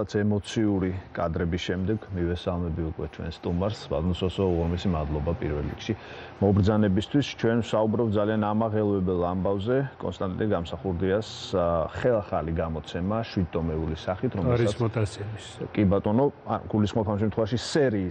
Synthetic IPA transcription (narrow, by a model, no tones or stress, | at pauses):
at̪sʰɛmɔt̪sʰiuɾikʼad̪ɾɛbisʃɛmd̪ɛɡmivɛsalˠmɛbiukʼwɛt͡ʃʰwɛ̰nst̪ʼumaɾsva̰d̪nɔsɔsɔʁɔɾmisimad̪lˠɔbapʼḭɾvɛlːḭkʃi | mɔbɾd̪zanɛbist̪ʰwist͡ʃʰwɛnwsaubɾɔpt̪̚zalianamaʁɛlˠvɛbɛlˠambavzɛkʼɔ̰nst̪ʼant̪iɡamsaχuɾd̪iasχɛlˠaχaliɡamɔt̪sʰɛmaʃwid̪̚t̪ʼɔmɛulisaχit̪ʰɾɔmɛɾisɔt̪ʰasɛmiskʼibat̪ʼɔnɔɡ̥ulisχmɔpʰamʃ̬ɛmt̪ʰχwɛvaʃisɛɾi